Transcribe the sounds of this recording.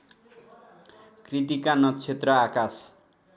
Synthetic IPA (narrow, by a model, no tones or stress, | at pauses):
krit̪ikanʌt͡sʰet̪rʌakas